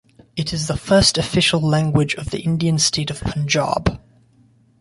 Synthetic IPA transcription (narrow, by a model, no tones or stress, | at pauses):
ɪtʰɪzðəfɜˑstəfɪʃəlˠlæ̃ŋɡwɪd͡ʒəvðḭʔɪ̃ndiə̃nstʰeɪtəv̥pʰə̃nd͡ʒɑ̰ːb̥